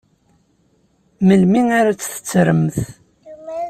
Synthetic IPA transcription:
məlminaɾat͡sːθə̥t͡sːɾəmθ

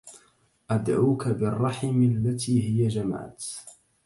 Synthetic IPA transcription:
ʔad̪ʕuːkabɪrˤːɑħɪmalːat̪iːɦɪjad͡ʒama̰ːt̪

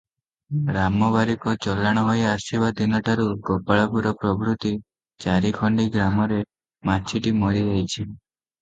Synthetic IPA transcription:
ɾamɔβaɾikɔt͡ʃɔlːaɽ̃ɔɦojasibad̪inɔʈʰaɾuɡɔpaɭɔpuɾɔpɾɔbɾut̪i | t͡ʃaɾikʰɔɳɖiɡɾamɔɾe | mat͡ʃʰiʈimɔɾiɾɛɦit͡ʃʰi

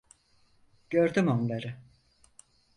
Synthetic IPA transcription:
ɟ̥øɾd̪ymonlˠaɾɯ

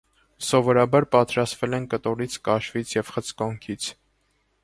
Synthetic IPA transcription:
sɔvɔɾɑbɑɾpɑt̪ɾɑst̪vɛlɛnkət̪ɔɾit͡sʰkɑʃvit͡sʰjɛv̥χət͡sʰkɔŋkʰit͡sʰ

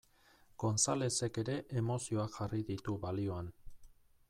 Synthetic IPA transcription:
ko̞nsale̞se̞ke̞ɾe̞ʔemo̞sio̞akʝariðit̪uβalio̞an

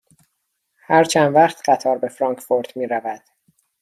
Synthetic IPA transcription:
hæɾt͡ʃʰænvæqt̪ʰɢæt̪ʰɒːɾbe̞fɾɒːŋkfoɾd̪miːɾævæd̪̥

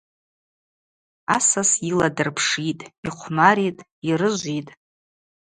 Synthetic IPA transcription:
asasiladɨrpʰʂitʼiχʷʰmaɾitʼ | iɾɨʒʷitʼ

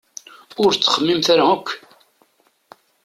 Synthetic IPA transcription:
ʊɾt͡sːə̥χəmːimθaɾaəkʷː

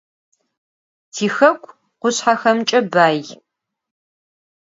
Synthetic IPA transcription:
tʰiːxɐkʷʰʼ | qʷʊɕħaxɐmt͡ʃʼɐbaːj

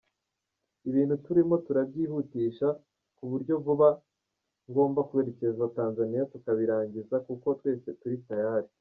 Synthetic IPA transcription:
iβiːn̥hutuɾimo̞tuɾabɟiːhutiːʃa | kuβuɾɟo̞vuβa | ŋɡo̞ːmbakuβe̞ɾe̞ce̞ezataːnzanijatukaβiɾaːɲɟizakuko̞twe̞ːse̞tuɾitajaːɾi

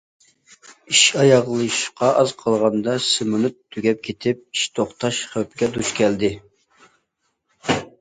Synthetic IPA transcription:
iʃɑjɑʁlˠɨʃqʰɑʔɑzqʰɑlˠʁɑnd̪ɑsɪmunɨt̪ʰːyɡʲɛp̚kʲʰet̪ʰɪp̚iʃt̪ʰoχt̪ʰɑʃχøpʰɪɡʲɛd̪uʃkʲʰɛld̪ɪ

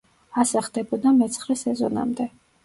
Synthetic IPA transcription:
asaχd̪ɛbɔd̪amɛt̪sʰχɾɛsɛzɔ̰na̰md̪ɛ

